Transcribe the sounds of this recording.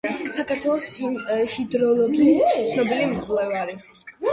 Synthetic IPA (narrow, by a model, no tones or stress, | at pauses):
sakaɾt̪ʰwɛlˠɔsʃid̪ɾɔlˠɔɡiːst̪sʰnɔbilimvlɛvaɾi